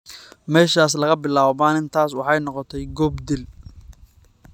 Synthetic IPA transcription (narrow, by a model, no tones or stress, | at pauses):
mɛːʃaːslɐɣɐbɪlaːββaːnɪnt̪ʰaːswɑħɑjnɔqɔt̪ʰɛjɡɔbd̪ɪl